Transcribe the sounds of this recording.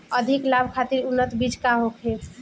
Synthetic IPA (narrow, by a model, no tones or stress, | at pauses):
əd̪ʱiklabʱkʰat̪iɾunːət̪bid͡ʒkaɦokʰɦe